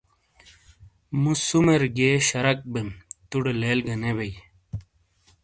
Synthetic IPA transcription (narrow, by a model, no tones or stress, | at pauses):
musumeɾɡeːɕɐɾɐk̚bemt̪uɽeleːlɡɐnebej